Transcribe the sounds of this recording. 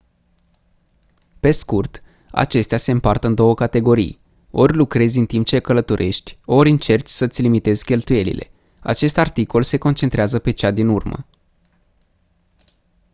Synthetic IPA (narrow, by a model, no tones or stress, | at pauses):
pe̞skurt̪ | a̰t͡ʃe̞st̪ease̞ɨmpart̪əɨnd̪o̞wəkat̪e̞ɡo̞ɾḭj | o̞rʲlukɾe̞zʲɨnt̪imp̚t͡ʃekələt̪uɾʔe̞ʃt̪ʲo̞ɾʲɨnt͡ʃe̞rt͡ʃʲsət̪sʲlimit̪e̞zʲkʲe̞lt̪uje̞lḭlʔe̞̰ | a̰t͡ʃe̞st̪art̪iko̞lse̞ko̞nt͡ʃent̪ɾeazəpe̞t͡ʃad̪inurmə̰